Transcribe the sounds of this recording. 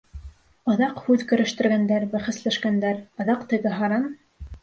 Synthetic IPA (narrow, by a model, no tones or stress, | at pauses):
ɤ̆ðɑqhʉðkɵ̆ɾɘ̆ʃt̪ɘ̆ɾɡænd̪æɾbæχɘ̆slæʃkænd̪æɾɤ̆ðɑqt̪ɘ̆ɡɘɦɑɾɑn